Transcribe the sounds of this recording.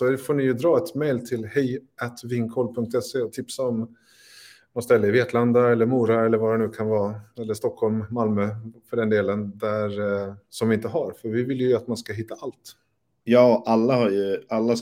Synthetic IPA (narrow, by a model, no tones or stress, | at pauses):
ɔfoːɳɪjɵd̪ɾɑːɛt̪mɛjlt̪ʰɪlhɛjat̪vɪŋkʰɔlpʰɵŋk̚t̪ɛseːɔt̪ʰɪpsaɔm | mɔst̪ɛlːəɪveːt̪land̪aɛlːəɾmuːɾaɛlːəɾvaɾɛnʉ̟ːkʰanvɑːɛlːəʂt̪ɔkʰhɔlmːalmøːfœɖɛnd̪eːlənd̪æɾsɔmvɪɪnt̪əɦaɾfœɾvɪvɪljəjat̪manskaɦɪt̪ːaʔalt̪ | jɑːʔalːahaɾjɵalːa